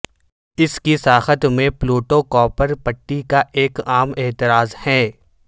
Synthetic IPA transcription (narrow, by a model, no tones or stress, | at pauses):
ɪskisaːxət̪mẽploːʈokɔːpəɾpəʈːikaʔeːkaːmeːt̪ɪɾaːzhɛ̃ː